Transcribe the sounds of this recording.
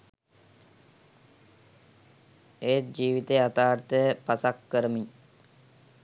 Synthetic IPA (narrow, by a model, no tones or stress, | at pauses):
ejt̪̚d͡ʒiːʋit̪eːat̪aːɾt̪əjəpasakːəɾəmiɲ